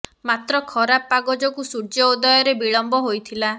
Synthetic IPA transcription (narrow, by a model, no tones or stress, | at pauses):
mat̪ɾɔkʰɔɾapːaɡɔd͡ʒɔkusuɽd͡ʒɔud̪ɔjɔɾebiɭɔmbɔɦojt̪ʰila